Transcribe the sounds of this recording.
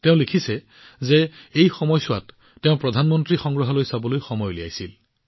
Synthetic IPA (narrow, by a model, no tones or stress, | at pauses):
teʊ̃likʰisɛ | zɛejxɔmɔjsʊwa̰tː | eʊ̃pɹɔdʱanmɔntɹixɔŋɡɹɔɦɔlojsabɔlojxɔmɔjlija̰jsil